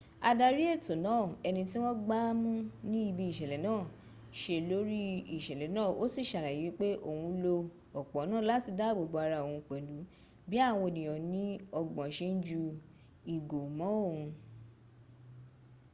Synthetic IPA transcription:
a˧da˧ɾi˦e˦˨to˨nãː˨˦˨ɛ˧nĩ˧ti˦w̃ɔ̃˦ɡ͡ba˦mũ˦nĩ˦i˦˧bi˧i˦˨ʃɛ˨lɛ˨˦nãː˦˨ | ʃe˧lo˦ɾi˦i˦˨ʃɛ˨lɛ˨˦nãː˦˨o˦si˦˨ʃa˨la˨ji˨˦k͡pe˦ʔo˧˨hũ˧lo˧ | ɔ˨k͡pɔ˨˦nãː˦˨la˦ti˦˨da˦˨bo˨ɡ͡bo˧a˧ɾa˧o˨ũ˧k͡pɛ˨lu˨˦ | bi˦a˦˨w̃o˧˨nĩ˨ɔ̃˨nĩ˨˦ɔ˧ɡ͡bɔ̃˨ʃe˦n̩˦d͡ʒu˧ | i˨ɡo˨mɔ̃˨˦o˦˨hũ˧

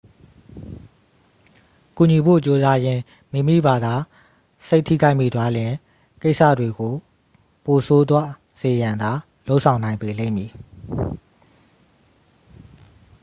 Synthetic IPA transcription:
ku˨ɲi˨bo̰˦˨t͡ɕo˦za˦jɪ̃˦ | mi˦˨mḭ˦˨ba˨d̪a˨ | se˦ɪtʰːḭ˦˨ɡa˦ɪʔmḭ˦˨d̪wa˦lɪ̃˨ | ke˦ɪʔsa̰˦˨dwe˨ɡo˨ | po˨sʰo˦d̪wa˦ | z̥e˨jã˨nd̪a˨ | lo˦ʊʔsʰã˨ʊ̃nã˨ɪ̃mpe˨lḛ̃˦˨mji˨

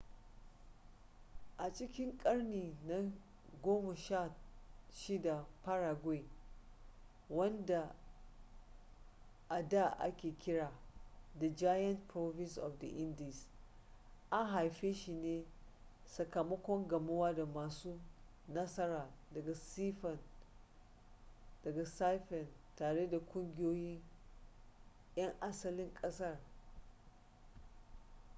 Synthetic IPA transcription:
ʔa˨t͡ʃɪ˦kʲɪ˦ŋkʼɐ˦ɽniː˨na˦ | ɡʷoː˦ma˨ʃa˦˨ʃi˦da˨pɐ˦ɾaː˨ɡʷwe˦˨ | wɐ˦nda˨ | ʔa˨da˦˨ʔa̰˦kʲeː˨kʲɪ˦ɽaː˨da˨d͡ʒa˦jɐ˦ntpɾo˦vɪ˦nsʔɔ̰˨fdɐ˨ʔɪ˦ndi˨s | ʔa˦ŋɦa˨jɸeː˦ʃi˨neː˦ | sɐ˨kɐ˨mɐ˦kʷɔ˦ŋɡɐ˨mɐ˦waː˦da˨maː˨suː˦ | nɐ˦sɐ˦ɾaː˨dɐ˨ɡa˨si˦fɐ˨n | d̥ɐ˨ɡa˨sa˦jɸɛ˨ntaː˨ɽe˦da˨kʷʼʊ˦ŋɡʲɪ˦joː˦jɪ˦ŋ | jɐ˦ŋʔa˦sɐ˨lɪ˦ŋkʼɐ˦sɐ˦˨r

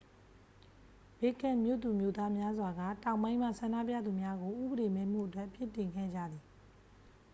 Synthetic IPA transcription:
b̥e˨kã˨mjo̰˦˨t̪u˨mjo˦˨t̪a˦mja˦zwa˨ɡa̰˦˨tã˨ʊ̃mbã˦ɪ̃m̥a̰˦˨sʰã˨nda̰˦˨p̬jä̰˦˨d̪u˨mja˦ɡo˨ʔṵ˦˨bəɾe˨mẽ˨˦m̥ṵ˦˨ʔətwɛ˦ʔpʰjɪ˦˨tːɪ̃˨ŋɡɛ˦˨d͡ʑa̰˦˨d̪ði˨

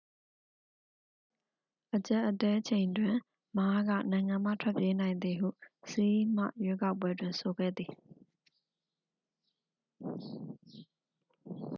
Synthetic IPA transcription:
ʔət͡ɕa˦ʔːətɛ˦ʔt͡ɕʰẽ˨ɪ̃ndwɪ̃˨ | ma˦ɡä̰˦˨nã˨ɪ̃ŋã˨m̥ä̰˦˨tʰwɛ˦pje˦nã˨ɪ̃nd̪i˨ɦṵ˦˨se˦ʔi˦m̥a̰˦˨jwe˦ka˦ʊp̬ːwɛ˦dwɪ̃˨nsʰo˨ɡɛ̰˦˨d̪i˨

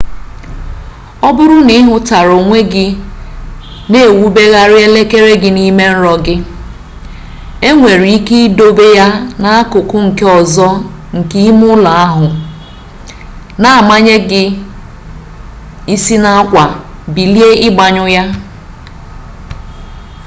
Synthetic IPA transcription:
ɔ˦bʊ˦ɾʊ˦ni˦ɦʊ˦ta˨ɾo˨ŋʷe˦ɡɪ˦ | ne˦˨wu˦be˦ɣa˦ɾɪ˦e˦le˦ke˦ɾe˦ɡɪ˦ni˦me˦n̩˦ɾɔ˨ɡɪ˦ | e˦ŋʷe˨ɾi˨i˦ke˦i˦do˦be˦ja˦na˦a˦kʊ˨kʊ˦ŋ̩˨ke˦ɔ˨zɔ˦ | ŋ̩˨ki˦i˦mʊ˦la˨a˦ɦʊ˨ | na˨a˨ma˦ɲe˦ɡɪ˦ | i˦si˦na˦a˦kʷa˨ | bi˨li˦e˦ɪ˦ɡ͡ba˨ɲʊ˦ja˦

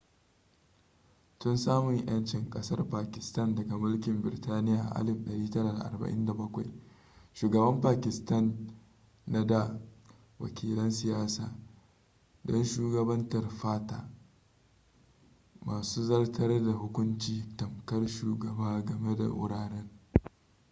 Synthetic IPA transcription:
tʊ˦nsaː˦mʊ˨ɲj̰ɐ˦nt͡ʃɪ˦˨ŋkʼɐ˦sɐ˦rɸaː˨kʲɪ˨stɐ˦ndɐ˨ɡa˨mʊ˦lkʲɪ˨mbɪ˨ɪ˨taː˦nɪ˦jaː˨ʔʔa̰˦lɪ˦˨mɗɐ˨ɽiː˦tɐ˦ɾaː˨da̰˨ʔa̰˨rbɐ̰˨ʔɪ̰˦nda˨bɐ˦kʷa̰˨j | ʃuː˨ɡɐ˨bɐ˦mpaː˨kʲɪ˨stɐ˦nː | a˦da˨ | wɐ̰˨kʲʰiː˨lɐ˦nsɪ˨jaː˦sa̰ː˨ | dɔ˦nʃuː˦ɡɐ˨bɐ˦ntɐ˨rɸaː˦taː˨ | maː˨suː˦zɐ˦rtʰɐ˦rda˨hʊ˦kʷʊ˦nt͡ʃiː˨tɐ˨mkɐ˦rʃuː˨ɡɐ˨baː˦ɡɐ˨me˦da̰˨ʔʊ̰˦ɽaː˨ɽɛ˦ŋ

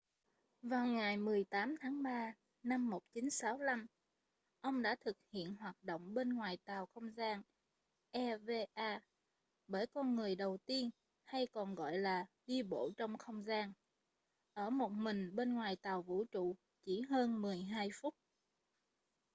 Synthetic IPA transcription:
vaː˨˩wŋa˨˩jmɨ˨˩əjt̪aː˨˦mt̪ʰaː˨˦ŋɓaː˧ | na˧mːo˨˩t̚t͡ɕi˨˦nsaː˨˦wla˧m | ʔə˧wŋ͡mɗa̰ː˧˥t̪ʰɨ˨˩k̚hḭ˧˨ənɦwaː˨˩t̚ɗo̰˧˨wŋ͡mɓe˧nŋwaː˨˩jt̪aː˨˩wxə˧wŋ͡mzaː˧n | ʔɛ˧ve˧ʔaː˧ | ɓəː˧˩jkɔ˧nŋɨ˨˩əjɗə˨˩wt̪i˧ən | ha˧jkɔ˨˩nɣɔ̰˧˨jlaː˨˩ɗi˧ɓo̰˧˥˨t͡ɕɔ˧wŋ͡mxə˧wŋ͡mzaː˧n | ʔəː˧˩mo˨˩t̚mï˨˩ŋ̟ɓe˧nŋwaː˨˩jt̪aː˨˩wvṵ˧˥t͡ɕṵ˧˨ | t͡ɕi˧˩ɦəː˧nmɨ˨˩əjɦaː˧jfʊ˦˥t̚

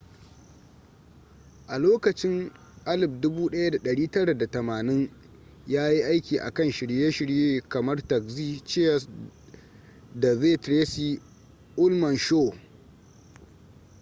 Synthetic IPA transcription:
ʔa˨loː˦kɐ˨t͡ʃɪ˦ŋ | ʔa˦lɪ˨b̚dʊ˦buː˦ɗɐ˦ja˦da˨ɗɐ˨ɽiː˦tɐ˦ɽa˨da˨tɐ˨maː˨nɪ˦ŋ | jaː˦ji˦ʔa˦jkʲiː˨ʔa̰˨kɐ˦nʃɪ˨ɽjeː˦ʃɪ˨ɽjeː˦kɐ˨mɐ˦rtɐ˨kziː˦t͡ʃɪ˦ɐ˦s | da˨ze˦˨tɾe˦si˦ | ʔʊ˦lmɐ˨nʃoː˦˨

